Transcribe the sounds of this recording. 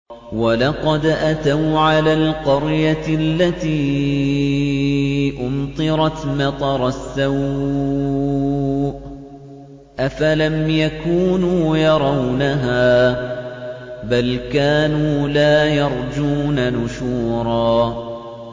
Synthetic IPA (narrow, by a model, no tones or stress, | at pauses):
walɑqɑd̪ʔat̪awʕalaːlqɑɾjalːat̪iː | ʔʊmt̪ˤɨɾˤɑt̪mɑt̪ˤɑɾˤɑsːaw | ʔafalamjakuːnuːjɑɾˤɑwnaɦaː | balkaːnuːlaːjɑɾˤd͡ʒuːnanʊʃuːɾˤɑː